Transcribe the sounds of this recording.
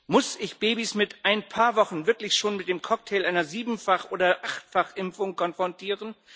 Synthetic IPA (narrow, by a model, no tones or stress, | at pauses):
mʊsɪçb̥eːbismɪtʔaɪnpʰaːɐvɔχn̩vɪɐklɪçʃoːnmɪt̚d̥eːmkʰɔk̚tʰeːlʔaɪnɐziːbm̩faχʔoːdɐʔaχtfaχʔɪmfʊŋkʰɔnfʁ̥ɔntʰiːʁən